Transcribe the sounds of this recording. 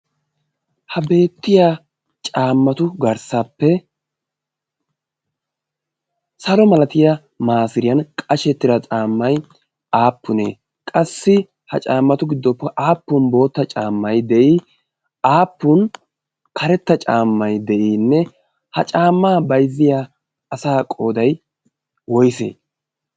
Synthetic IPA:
hɐbe̞ːt̪ːɪja | t͡ʃʼaːmːɐt̪ʊɡɐɾsɐpːɛ | sɐlɔmɐlɐt̪ɪjɐ | maːsɪɾɪjɐnkʼɐʃɛt̪ːɪɾɐt͡ʃʼaːmːɐj | aːpːʊnḛː | kʼɐsːɪ | hɐ̰t͡ʃʼaːmːɐt̪ʊɡɪd̪ːɔpːɛʔaːpːʊnbo̞ːt̪ːɐt͡ʃʼaːmːɐjd̪ɛʔi | aːpːʊn | kʰɐɾɛt̪ːɐt͡ʃʼaːmːɐjd̪ɛʔinːɛ | hɐt͡ʃʼaːmːaːbɐjzːɪja | ɐsaːkʼo̞ːd̪ɐj | wɔjsḛː

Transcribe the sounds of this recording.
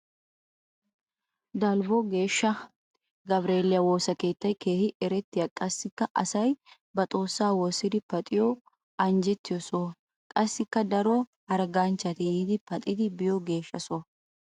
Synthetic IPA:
d̪ɐlbɔɡe̞ːʃːɐ | ɡɐbɾe̞ːlɪjɐwoːsɐke̞ːt̪ːɐjke̞ːhɪʔɛɾɛt̪ːɪjɐkʼɐsːɪkːɐʔɐsɐj | bɐt̪ʼo̞ːsːaːwɔsɪd̪ɪpɐt̪ʼɪjɔ | ɐnd͡ʒɛt̪ːɪjɔso | kʼɐsːɪkːɐd̪ɐɾɔhɐɾɡant͡ʃːɐt̪ɪjiːd̪ɪpɐt̪ʼɪd̪ɪbɪjɔɡe̞ːʃːɐsoː

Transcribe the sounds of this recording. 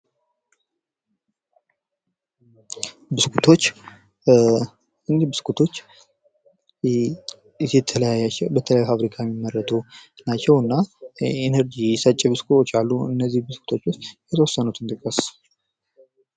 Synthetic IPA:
bɨskʰut̪ʰo̞t͡ʃː | ɨnd̪ibɨskʰut̪ʰo̞t͡ʃː | ɛt̪ʰələjajːat͡ʃːɛwbət̪ʰələajufaβɾikʰajɛmːimːərːət̪ʰunat͡ʃːɛwɨnːaenəɾd͡ʒiɪsət͡ʃʼːɛbɨskʰut̪ʰo̞t͡ʃːalːuɨ̰nːəzːihbɨskʰu̥t̪ʰo̞t͡ʃːʊst̪jɛt̪ʰəwɔsːənut̪ʰɨnt̪ʼɨkʼːəs

